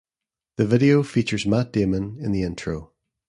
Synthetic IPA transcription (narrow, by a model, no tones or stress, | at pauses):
ðəvɪɾiofit͡ʃə˞zmaʔ̚d̥emə̃nɪ̃nðiɪ̃ntʰɹ̥o